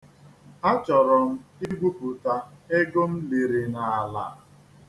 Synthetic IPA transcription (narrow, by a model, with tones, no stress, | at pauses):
a˦t͡ʃɔ˨ɾɔ˨m̩˦i˦ɡʷu˦pu˨ta˦e˦ɡo˦m̩˦li˨ɾi˨na˨a˨la̰˨